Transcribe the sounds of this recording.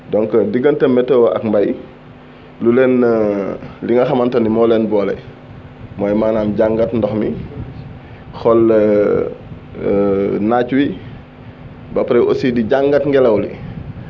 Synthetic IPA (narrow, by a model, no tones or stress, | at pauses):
dɔŋkədiɡəntɐmːɛtːɛwʔɐ̰kmbaj | lulɛn | liŋɡɐxɐmantɐnimɔːlɛnbɔːlɐ̰ | mɔːjmaːnaːmɟaŋɡatndɔxmi | xɔl | nat͡ʃwi | bɐpɾɛʔo̰sidiɟaŋɡatŋɡɛlɐwlḭ